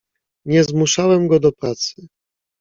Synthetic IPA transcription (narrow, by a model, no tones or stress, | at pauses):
ɲɛzmuʂawɛmɡɔd̪ɔpɾat̪sɘ